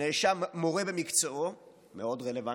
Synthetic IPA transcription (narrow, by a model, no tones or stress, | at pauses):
eʃamːoʁebemikt͡soo | meo̞d̪ʁeleva